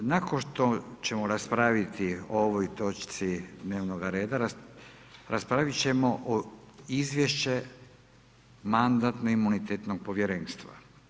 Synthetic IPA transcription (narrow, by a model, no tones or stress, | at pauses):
nakonʃt̪o̞t͡ɕe̞moɾaspɾaʋit̪iooʋojt̪o̞t͡ʃt̪sid̪ne̞ːʋno̞ɡaɾe̞ːd̪aɾa | ɾaspɾaʋit͡ɕe̞mo̞ʔoizʋje̞ʃt͡ɕe̞ | mand̪at̪noimːunit̪et̪no̞ɡ̚po̞ʋje̞ɾe̞ːnst̪ʋa̰